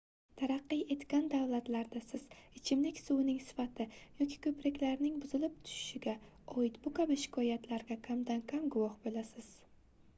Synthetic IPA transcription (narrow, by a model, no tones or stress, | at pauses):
t̪ʰaɾɑqːɨje̞t̪kʲand̪awlat̪laɾd̪asɪz̥ɪt͡ʃʰɪmlɪkʲsunɪŋsɪ̥fat̪ʰɪjɒkʲʰi̥kʰɵpɾakʲlaɾnɪŋbʊzɪlɪp̚t̪ʰʊ̥ʃɪ̥ʃɪɡʲa | ɒɪt̪bʊkʰabɪʃɪ̥kʰɒjat̪ʰlaɾɡʲakʰʲamd̪ankʲʰamɡʊwɒhbolasɪz̥